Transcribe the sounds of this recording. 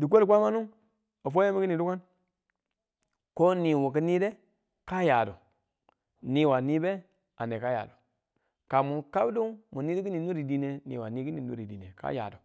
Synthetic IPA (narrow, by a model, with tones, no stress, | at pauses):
di˨k̬ʷe˦li˨k̬ʷa˦ma˦nu˦ | o˨fo˦a˦mi˦ki˦ni˨du˦ka˦n | ko˦ni˨wo˨k̬i˦ni˦de˦ | ka˦ja˨du˨ | ni˦wa˨ni˦be˦ | a˨ne˨ka˦ja̰˨du˨ | ka˨mu˨ka˦bdu˦ŋmu˨ni˦di˦ki˦ni˨nu˦ɾi˨di˦ne˨nḭ˨wa˨ni˦ki˦ni˨nṵ˦ɾi˨di˨ne˨ka̰˦ja̰˨du˨